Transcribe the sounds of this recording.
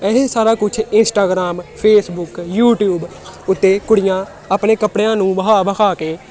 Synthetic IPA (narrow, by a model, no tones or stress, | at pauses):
ɛɦesaːɾaːkʊt͡ʃʰɪnsʈaːɡɾaːmpʰeːsbʊkjuːʈjuːb | ʊt̪ːeːkʊɽɪjãː | əpnẽːkəpɽejãːnũːʋəɦaːbəkʰaːkeː